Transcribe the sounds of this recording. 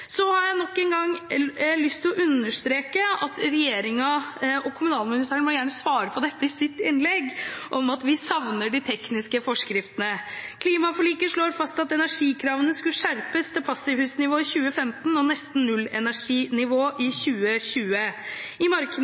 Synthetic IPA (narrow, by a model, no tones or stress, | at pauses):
sɔhɑɾjæɪnɔkːɛnɡɑŋːlʏst̪ʰːɪlɔʔʉnːəʂt̪ɾeːkəɑt̪ɾɛjeːɾɪŋɑɔkʰʊmʉnɑːlmɪnɪst̪ʰæːɾəɳʋɔljæːɳəsʋɑːɾəpʰɔd̪ɛt̪ːəɪsɪt̪ːɪnlɛɡʔɔmɑt̪ʋɪsɑʋnəɖɪt̪ʰɛknɪskəfɔʂkɾɪft̪ənəkʰliːmɑfɔɭiːkəʂɭoːɾfɑst̪ɑt̪ɛnæʂiːkʰɾɑːʋənəskʉlʂæɾpəst̪ʰɛlpʰɑsɪʋhʉːsnɪʋoːɪçʉːəfɛmt̪nɔnɛst̪n̩nʉlːɛ̰næʂiːnɪʋoːʔɪçʉːəçʉːəɪmɑɾkə